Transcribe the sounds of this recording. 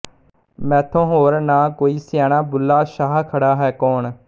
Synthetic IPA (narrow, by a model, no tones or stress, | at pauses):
mɛ̃ːt̪ʰõːɦoːɾnãːkoːiːsɪjaːnaːbʊlːaːʃaːɦkʰəɽaːɦɛːkɔːɳ